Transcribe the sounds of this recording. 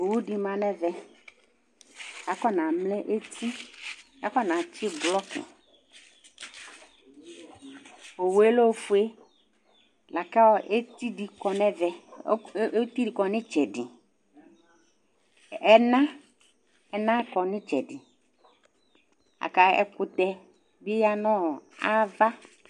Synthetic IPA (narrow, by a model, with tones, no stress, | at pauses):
o˨wu˦di˨mã˨nɛ˦vɛ˨ | a˨kɔ˦nã˨mlɛ˦ʔe˦t̪i˦ | a˦kɔ˦nã˨t͡ʃɪ˦blɔ˦kɪ̰˨ | o˨we˦lo˦fu˨˦e˦ | la˨ka˦wɔ˨ʔe˦ti˦di˨kɔ˨nɛ˦vɛ˨˦ | t̪i˦di˨kɔ˨nɪ̃˦t͡ʃɛ˨dɪ˨ | ɛ˦nã˦ | ɛ˨nã˦kɔ˨nɪ̃˦t͡ʃɛ̰˨dɪ˨ | a̰˨ka˨ɛ̰˦kʊ˦t̪ɛ˦ | bɪ˦ja˦nɔ̃˦˨a˦va˦